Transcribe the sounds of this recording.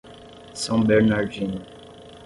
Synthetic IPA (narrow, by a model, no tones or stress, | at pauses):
sɑ̃bɛɹnaɹvin